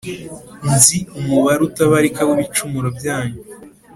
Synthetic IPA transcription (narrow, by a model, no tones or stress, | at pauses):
nziumuβaɾutaβaɾikaβuβit͡ʃumuɾobjaːɲu